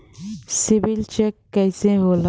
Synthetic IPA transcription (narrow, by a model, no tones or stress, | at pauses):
sibilt͡ʃekːɐjseɦola